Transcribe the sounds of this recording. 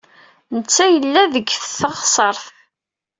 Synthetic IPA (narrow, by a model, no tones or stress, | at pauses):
nət͡sːæjəlːæðəɡfθəʁsˤəɾˤθ